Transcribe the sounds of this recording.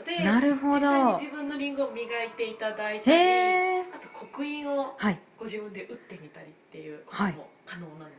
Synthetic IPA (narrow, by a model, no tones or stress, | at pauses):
d̪̥enaɾɯ̟ɦo̞d̪o̞id͡ʑibɯ̟̃nːo̞ɾʲĩŋɡɯomʲiɡait̪e̞it̪ad̪ait̪eːat̪o̞kʰo̞kɯ̟ĩɰ̃ohaiɡ̥o̞ʑibɯ̟̃nd̪e̞ʔɯ̟t̪ːe̞mʲit̪aɾʲit̪ːe̞jɯ̟ːkohaiokano̞ːnãnd̪e